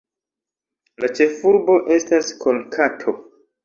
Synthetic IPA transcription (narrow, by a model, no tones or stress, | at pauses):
lat͡ʃe̞fuɾbo̞ʔe̞staskʰo̞lkʰatʰo̞